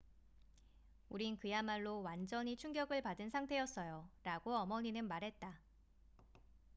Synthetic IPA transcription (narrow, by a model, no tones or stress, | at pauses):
uɾinkɯjamaɭːowand͡ʑʌɲit͡ɕʰuŋɡjʌɡɯɭpadɯnsʰaŋtʰe̞jʌs͈ʌjoɾaɡoʌmʌɲinɯnmaɾɦe̞t̚t͈a